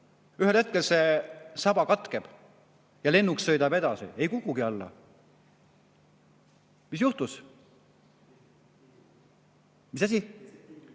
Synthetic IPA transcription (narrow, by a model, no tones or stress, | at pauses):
yɦe̞lhe̞t̪̚ke̞lse̞sɑb̥ɑkɑt̪ˑkeb̥ | jɑle̞nːuksːɤ̞jd̪ɑbe̞d̪̥ɑsḭe̞jkukˑːuɡ̥iɑlːɑ̰ | mis̬juht̪us | mis̬æs̬ʲi